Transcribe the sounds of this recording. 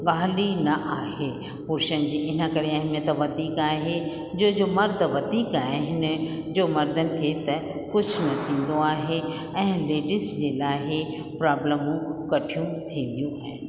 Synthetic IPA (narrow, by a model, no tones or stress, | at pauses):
ɠaːlinɐʔaːɦe | pʊɾʃənɪd͡ʑiːʔɪnəkɐɾeɐɦmijət̪ʋɐd̪iːkaːɦe | d͡ʑoːd͡ʑoːmɐɾd̪ʱʋɐd̪iːkaːɦɪɦɪnɪ̆d͡ʑoːmɐɾd̪ənɪ̆kʰeːt̪ɐ | kʊd͡ʑʱʰnɐt̪ʰĩːn̆d̪oaːɦe | ɛ̃ːleːɖɪsd͡ʑeːlaːɦɪ | pɾaːbləmũkɐʈʰijũt̪ʰĩːn̆d̪ijũaːɦɪnɪ̆